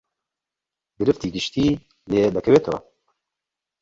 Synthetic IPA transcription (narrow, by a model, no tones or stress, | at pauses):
ɡɨɾɨft̪iːɡɨʃt̪iː | leːd̪ɛkʰɛveːt̪ʰo̰ː